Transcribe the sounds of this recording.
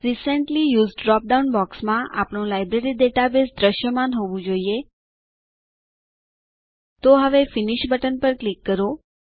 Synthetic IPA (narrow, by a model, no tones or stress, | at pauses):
ɾisəɳʈlijuːzɖɖɾɔp̚ɖaunbɔksmãʔa̰pɳ̃õlajbɾeɾiɖeʈabesd̪ɾəʃjəmanɦoʋũd͡ʒoie | t̪oɦəʋefɪniʃbəʈənpəɾklikːəɾo